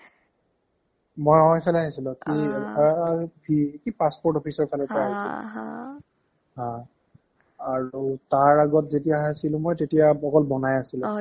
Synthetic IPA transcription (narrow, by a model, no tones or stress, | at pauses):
mojɔɔjpʰɛlaɦisilʊ̃ki | bikipaspɔɹtɔpʰisɔɹpʰɛlɛpɔɹaɦisɛ̰ | ɦã | aɹutaɹaɡɔtzetijaɦasilʊ̃mojtetijaɔkɔlbɔnajasilɛ